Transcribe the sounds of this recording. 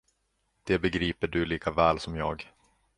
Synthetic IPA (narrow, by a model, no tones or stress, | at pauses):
d̪̥ɛbɛɡɾiːpəɖɵliːkavɛːlsɔmjɑ̰ːɡ